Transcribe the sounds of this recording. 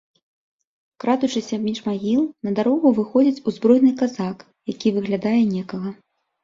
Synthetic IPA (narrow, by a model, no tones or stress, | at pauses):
kɾad̪ut͡ʂɨsʲɐmʲit͡ʂmaɣʲilˠnɐd̪aɾɔɣuvɨxɔd͡zʲit͡sʲuzbɾɔjnɨkazak | jakʲivɨɣlʲad̪ajɛnʲɛkɐɣɐ